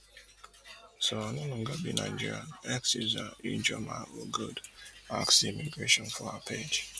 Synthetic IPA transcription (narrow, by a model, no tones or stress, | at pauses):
soanolɔ̃ŋɡəbinaɪd͡ʒiɹiã̰ɛksizaid͡ʒɔma̰ɔɡudaksimiɡɹeʃɔ̃nfɔapʰed͡ʒ